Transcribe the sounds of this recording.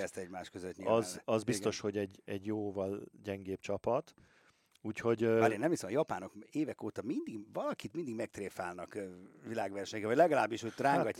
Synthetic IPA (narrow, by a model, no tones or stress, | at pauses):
ɛst̪ɛɟmaːʃkøzøt̪ɲizɒzbist̪o̞ʃho̞ɟɛɟɛɟjoːvɒlɟɛŋɡeːpt͡ʃɒpɒt̪ | uːcho̞ɟmaːɾeːnːɛmvisomɒjɒpaːnokeːvɛkoːt̪ɒmind̪iɡvɒlɒkit̪mind̪iɡmɛk̚t̪reːfaːlnɒkvilaːɡʋɛrʃɛɲɛkɛvɒɟʲlɛɡɒlaːbːiʃøːt̪raːŋɡɒcː